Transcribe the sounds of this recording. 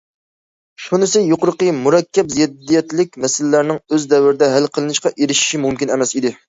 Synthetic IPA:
ʃunɨsɪjoqʊɾəqəmuɾɛkʲʰːɛpziid̪ːijɛt̪lɪk̚ʲmɛsɪlɪlæɾnɪŋøzd̪ɛwɪɾɪd̪ɛɦælqʰəlˠɨnɨʃqɑʔeɾɪʃi̥ʃimumkʲinɛmɛsid̪ɪ

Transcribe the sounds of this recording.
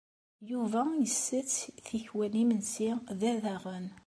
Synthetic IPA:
juvæjəsːət͡sːθiçwænimənsiðæðæʁən

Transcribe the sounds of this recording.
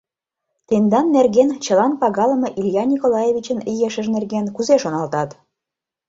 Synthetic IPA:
t̪end̪ɑnːerɣent͡ɕə̆lɑnpɑɣɑlə̆mɤ̆ʔilʲjɑnʲikolɑjevʲit͡ɕənijeʃəʒnerɣenkuzeʃonɑlt̪ɑt̪

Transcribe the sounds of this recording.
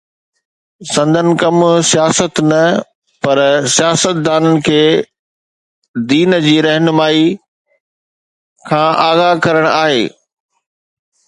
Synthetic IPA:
sɐ̃nd̪ʱənɪ̆kɐmsijaːsət̪nɐ | pɐɾsijaːsət̪̚d̪aːnənɪ̆kʰeː | d̪iːnd͡ʑiːɾɛɦnʊmaːi | kʰãːʔaːɣakɐɾəɽ̃aːɦeː

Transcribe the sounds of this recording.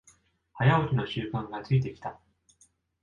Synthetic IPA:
hajaokʲino̞ɕɨːkãŋɡat͡sɨit̪e̞kʲi̥t̪a

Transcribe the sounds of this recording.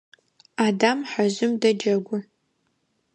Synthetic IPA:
aːdamħaʑɪmdɐd͡ʒɐɡʷʊ

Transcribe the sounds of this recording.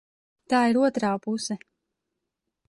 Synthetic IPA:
t̪aːiɾuɔt̪ɾaːpusɛ

